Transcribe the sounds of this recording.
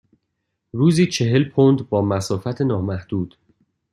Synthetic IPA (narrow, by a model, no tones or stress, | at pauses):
ɾuːziːt͡ʃʰe̞ɦe̞lpʰond̪bɒːmæsɒːfæt̪ʰenɒːmæhd̪̥uːd̪̥